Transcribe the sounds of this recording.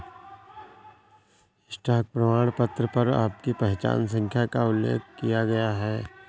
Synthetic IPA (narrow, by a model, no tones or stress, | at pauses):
sʈaːk̚pɾɐmaːɽ̃pɐt̪ɾəpɐɾa̰ːp̚kipɛɦt͡ʃa̰ːns̬ə̃ŋkʰjakaʊlːḛːk̚ʰkijaɡɐjaɦɛː